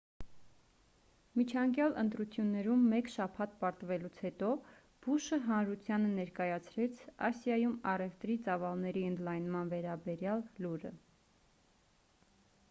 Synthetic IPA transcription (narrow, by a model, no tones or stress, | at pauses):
mit͡ʃʰɑŋkjɑlʔə̰nt̪ɾut͡sʰjunːɛɾumːɛkʃɑpʰɑt̪̚pɑɾt̪vɛlut͡sʰhɛt̪ɔ | b̥uʃəɦɑnɾut͡sʰjɑnənɛɾkɑjɑt͡sʰɾɛt͡sʰɑsjɑjumɑrɛft̪ɾit͡sɑvɑlnɛɾiənd̪lɑjnmɑnvɛɾɑbɛɾjɑlːuɾə̰